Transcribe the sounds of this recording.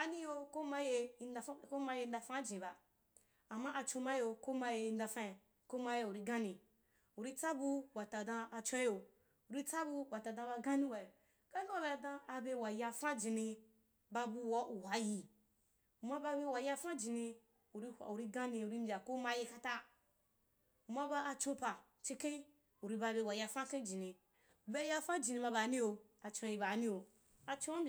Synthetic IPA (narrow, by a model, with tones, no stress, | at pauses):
a˨nĩ˦jo˧ko˦ma˦je˧i˧n˧˦ko˦ma˧˦je˧n˦da˧fã˦d͡ʒĩ˨ba˨ | a˨mːa˦ʔa˧t͡ʃo˧ma˦jo˧ko˦ma˦je˧i˧nda˧fã˦i˨ | ko˦ma˦je˧u˨ɾi˦˧ɡã˦nĩ˧ | u˨ɾi˦t͡sa˦bu˧wa˨ta˨dã˧a˧t͡ʃã˦jo˧ | u˨ɾi˦t͡sa˦bu˧wa˨ta˨dã˧ba˧ɡã˦nĩ˦wa˨jo˨ | ɡ̥ã˦ni˦wa˨be˧a˨dã˧a˧be˧wa˨ja˧fã˦d͡ʒĩ˨nĩ˧ | ba˧bu˧wa˨u˨ha˨˦ji˧ | u˨ma˧ba˧be˧wa˨ja˧fã˦d͡ʒi˨nĩ˧ | u˨ɾi˦hʷa̰˨u˨ɾi˧ɡã˦nĩ˧u˨ɾi˧˦mbʲa˨ko˦ma˧ji˧ka˦ta˦ | u˨ma˧ba˧a˧t͡ʃõ˧pa˨ | t͡ʃi˧kẽ˦ | u˨ɾi˧ba˧be˧wa˨ja˧fã˦kẽ˦d͡ʒi˨nĩ˧ | u˨be˦ja˧fã˦d͡ʒi˨nĩ˧ma˧ba˨˦nĩ˦o˧ | a˨t͡ʃã˧ji˧ba˨˦nĩ˦o˨ | a˧t͡ʃõ˦wa˦bʲ